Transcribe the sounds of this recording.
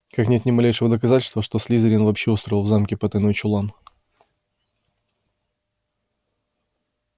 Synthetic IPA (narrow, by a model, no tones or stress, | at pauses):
kaknʲet̪nʲɪmɐlʲejʂɨvəd̪əkɐzatʲɪlʲst̪vəʂt̪o̞sʲlʲizəɾʲɪnvɐpɕːeust̪ɾəɪlˠvzamkʲɪpət̪əjnojt͡ɕʊlˠan